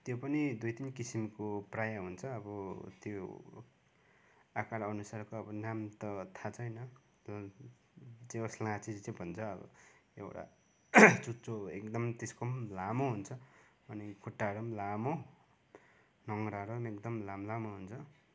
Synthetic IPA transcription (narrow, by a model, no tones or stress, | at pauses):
t̪jopʌnid̪ujt̪inkisimkoprajaɦunt͡sʰʌːbʌt̪jo | akaɽʌnusarkoʌbʌnamt̪ʌt̪ʰat͡sʰʌjnʌ | d͡zeʌslãt͡sid͡zt͡sẽbʱʌnt͡sʰʌːbʌ̰ḛwʈa̰ | t͡sut͡soḛkd̪ʌmt̪eskomlamoɦunt͡sʰʌ | ʌnikʰuʈːaɾomlamo | nʌŋɾaɾomekd̪ʌmlamlamoɦunt͡sʰʌ